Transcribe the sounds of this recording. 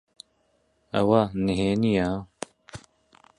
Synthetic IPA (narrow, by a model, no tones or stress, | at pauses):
ɐ̰waniɦeːnija